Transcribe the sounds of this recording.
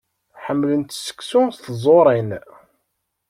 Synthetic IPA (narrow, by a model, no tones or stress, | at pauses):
ħəmːlənt̪sə̥kːsʊst̪zˤoɾˤin